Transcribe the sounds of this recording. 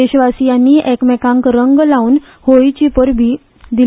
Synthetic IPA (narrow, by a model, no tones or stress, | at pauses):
eɕʋasijanːiʔɛkmɛkãŋkɾəŋɡlaun | hojt͡ɕipəɾbʱiː | d̪i